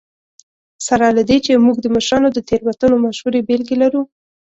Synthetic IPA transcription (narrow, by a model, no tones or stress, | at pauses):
saɾɑlad̪et͡ʃemuɡd̪əməʃɾɑnod̪ət̪eɾwat̪ənomaʃhuɾebelɡelaɾu